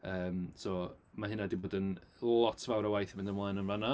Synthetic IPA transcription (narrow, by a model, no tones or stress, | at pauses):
əːmsɔmaɦɪnadiboːdənlˠɔtʰvawɾawajθmɪndənwlɛnənvana